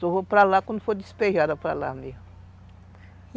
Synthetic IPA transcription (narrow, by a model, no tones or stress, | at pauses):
soopɾalakwɐ̃nd̪ʊfod̪ispeʒad̪ɐpɾala̰me